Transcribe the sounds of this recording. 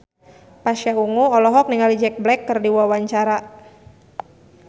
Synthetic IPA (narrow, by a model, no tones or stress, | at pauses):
pasjauŋuɔlɔɦɔk̚niŋalid͡ʒɛk̚blɛkːərdiwawaɲt͡ʃaɾa